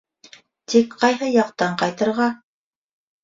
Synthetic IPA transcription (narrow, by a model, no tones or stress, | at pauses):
t̪ikqɑjɦɤjɑqt̪ɑɴqɑjt̪ɤ̆ɾʁɑ